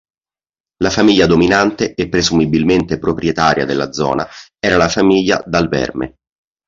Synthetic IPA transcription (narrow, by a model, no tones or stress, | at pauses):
lafamiʎːad̪ominant̪eʔepːɾezumibilment̪epɾopɾjet̪aːɾja̰d̪elːa̰d̪zɔ̰ːnaɛːɾalafamiʎːa̰d̪alvɛ̰rmḛ